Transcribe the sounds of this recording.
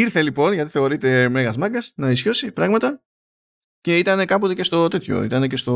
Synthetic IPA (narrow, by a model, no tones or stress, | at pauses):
iɾθe̞lipo̞nʝɐt̪iθe̞o̞ɾit̪e̞me̞ɣɐzmɐɡɐsnɐisço̞sipɾɐɣmɐt̪ɐ | ce̞it̪ɐne̞kɐpot̪e̞ce̞st̪o̞t̪e̞t̪ço̞̰ḭt̪ɐne̞ce̞st̪o̞